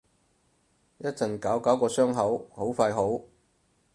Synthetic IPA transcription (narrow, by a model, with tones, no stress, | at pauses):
jɐ˥t̚t͡sɐ˨˩nkaː˨˥wkɐː˨˥wkɔː˧sœː˥ŋɦɐ˨˥who˨˥wfaː˧jɦo˨˥w